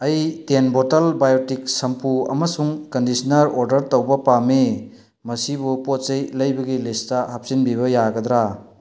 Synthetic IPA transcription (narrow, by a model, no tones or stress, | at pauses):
ɐjtenbotɐlbajotik̚sɐmpuɐ̰mɐsuŋkɐndisɐnɐɾoɾdɐɾtɐwbɐpame | mɐsibupot̚sɐjlɐjbɐɡilistɐhap̚sinbiβɐjaɡɐd̪ɾa